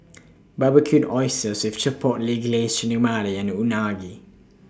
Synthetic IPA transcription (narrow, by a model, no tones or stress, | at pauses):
babəkʰjutɔjsəswift͡ʃəpʰɔt̚liɡlesənəmadəjãnunaɡi